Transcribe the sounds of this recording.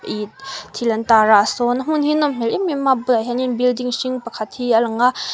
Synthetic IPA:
it̪ʰiləntaɾaʔsɔnam̥unhinɔmm̥elʔimimabuaɦaninbildiŋʃiŋpakʰat̪̚hialɐŋa

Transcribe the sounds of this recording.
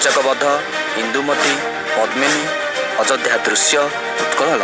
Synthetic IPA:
t͡ʃɔkɔbɔd̪ʱːɔ | hind̪umɔt̪i | pɔd̪meni | ɔd͡ʒɔd̪ʱjad̪ɾusjɔ | t̪ut̪kɔɽ̃ɔlɔ

